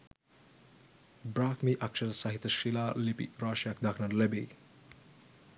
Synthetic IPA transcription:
bɾaːkmiʔɐkʃɐɾsɐɦit̪ːɐʃilaːlipḭɾaːʃjak̚d̪akʰnɐɾlebi

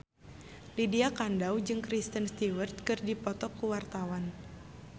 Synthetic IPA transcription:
lidiakandawd͡ʒɨŋkɾist̪ənst̪iwərt̪̚kɨrdipɔt̪ɔkːuwart̪awan

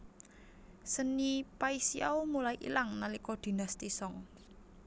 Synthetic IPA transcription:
sənipaisiaumulaiʔḭlaŋnalikɔd̪̥i̤nast̪isɔŋ

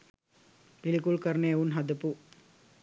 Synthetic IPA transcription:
pɪlikulkɐɾneunɦɐd̪ɯpːu

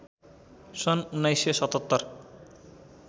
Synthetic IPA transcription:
sonunːajsesɔt̪ɔt̪ːɔɾ

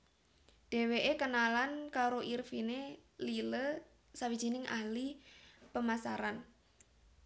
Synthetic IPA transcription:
ɖ̥ɛ̤weʔekənalankaɾoʔirfinelilə | sawi̥ʒ̥i̤nɪŋʔaɦlipəmasaɾan

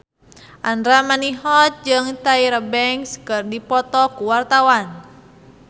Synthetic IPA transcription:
ʔandɾamaniɦɔt̪̚d͡ʒɨŋt̪aiɾəbɛŋskɨrdipɔt̪ɔkuwart̪awan

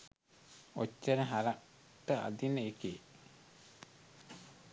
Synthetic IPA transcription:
ot͡ʃːənəɦaɾa | ʈːəa̰d̪inːəike

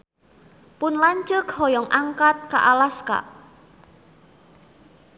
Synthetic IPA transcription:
pʊnlaɲt͡ʃʊkhɔjɔŋʔaŋkat̪̚ka̰ʔalaska̰ʔ

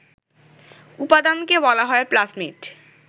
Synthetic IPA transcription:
upad̪ankebɔlaɦɔeplasmiʈ

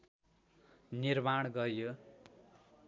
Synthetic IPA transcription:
nirmaɽ̃ɡʌjo

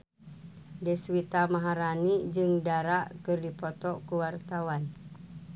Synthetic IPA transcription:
dɛswit̪amaɦaɾanid͡ʒɨŋdaɾaʔkɨrdipɔt̪ɔkuwart̪awan

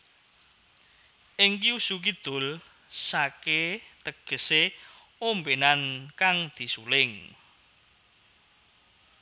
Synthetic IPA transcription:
ʔɪŋkiusuk̬id̪̥ʊ̤l | saket̪əɡ̥ə̤se | ombenankaŋd̪̥i̤sulɪŋ

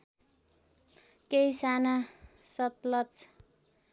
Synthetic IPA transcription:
kejsanasʌt̪lʌt͡s

